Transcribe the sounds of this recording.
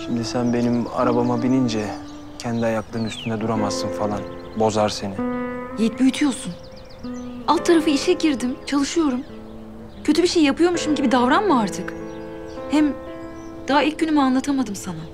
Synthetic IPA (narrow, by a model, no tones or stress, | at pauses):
ʃimd̪isænbe̞nima̰ɾabamabilʲind͡ʒɛ | cʰɛnd̪iajaklˠɯɾɯnyst̪ʰynd̪ɛd̪uɾamazːɯnfalˠan | bo̞zaɾse̞nijet̪̚byjyt̪ʰyjo̞ɾsun | alˠt̪ʰːaɾafɯiʃɛɟiɾd̪imt͡ʃʰalˠɯʃɯjo̞ɾum | cʰø̞t̪ʰybiʃejijapʰɯjo̞ɾmuʃumɟibid̪avɾanmɯaɾt̪ʰɯk | hæm | d̪̥aɦailʲc̚ɟynymianlˠat̪ʰamad̪ɯmsana